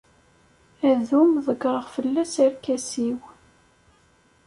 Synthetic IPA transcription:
æðumðˤəɡɾˤəʁfəlːæsæɾkæsiw

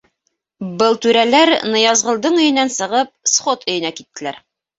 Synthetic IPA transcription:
bɤlˠt̪ʉɾælæɾnɤ̆jɑzʁɤ̆lˠd̪ɤɴɵ̆jɘ̆nænsɤ̆ʁɤp̚sχot̪ʰɵ̆jɘ̆nækit̪ːɘ̆læɾ

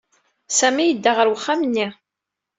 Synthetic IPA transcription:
sæmijəd̪ːaʁəɾwəχːamnːi

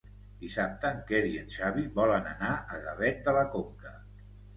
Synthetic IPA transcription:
d̪isap̚t̪əŋkeɾiənʃaβiβɔlənə̰naʔəɣəβɛt̪̚d̪ələkoŋkə

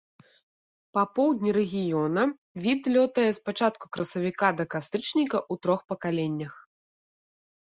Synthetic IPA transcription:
pɐpɔwd̪ʲnʲiɾɛɣʲijɔnɐ | vʲit̪lʲɔt̪ɐjɛspat͡ʂat̪ku̥kɾɐsɐvʲikad̪ɐkast̪ɾɨt͡ʂnʲikɐʔut̪ɾɔxpɐkalʲenʲːɐx

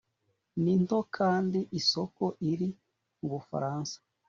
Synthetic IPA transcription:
nintokʰaːndiʔisoko̞ʔiɾi | uβufa̰ɾaːnsḁ

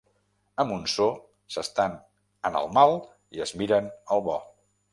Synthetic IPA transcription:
əmbunso | səst̪an | ənə̰lˠmalˠ | iəzmiɾənəlˠβɔ

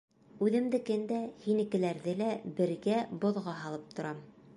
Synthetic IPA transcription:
ʉðɘ̆md̪ɘ̆kɘnd̪æhinɘ̆kɘ̆læɾðɘlæbɘ̆ɾɡæbŏðʁɑɦɑlˠɤp̚t̪ʰŏɾʔɑm

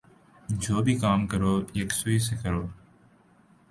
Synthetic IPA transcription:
d͡ʒoːbiːkaːmkəɾoːeːksʊiːs̬eːkəɾoː

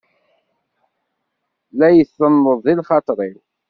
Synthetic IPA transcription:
læjəθːənːəðˤilχɑt̪ˤɾˤil

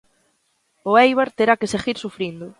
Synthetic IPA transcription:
ʊejβ̞aɾt̪eɾakeseɣiɾsufɾind̪ʊ

